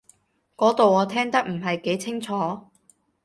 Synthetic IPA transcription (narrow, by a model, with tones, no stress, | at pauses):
kɔː˨˥t̪o˨wɔː˨˧t̪ʰɛː˥ŋt̪ɐ˥k̚m̩˨˩ɦɐ˨jke˨˥jt͡sʰɪ˥ŋt͡sʰɔː˨˥